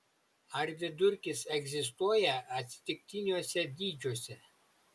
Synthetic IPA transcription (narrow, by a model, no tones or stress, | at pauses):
ɐɾʋʲɪd̪ʊɾʲkʲɪsɛɡʲzʲɪs̬t̪uɔjɛɐt̪ʲsʲɪ̥t̪ʲɪk̚ʲt̪ʲɪnʲuɔsʲɛd̪ʲiːd͡ʒʲuɔsʲɛ